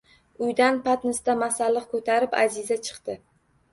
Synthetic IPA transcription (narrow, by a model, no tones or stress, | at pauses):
ʊjd̪anpʰat̪nɪsd̪amasalːɨqkʰɵt̪ʰaɾɪpa̰zizat͡ʃʰɨ̥qt̪ɪ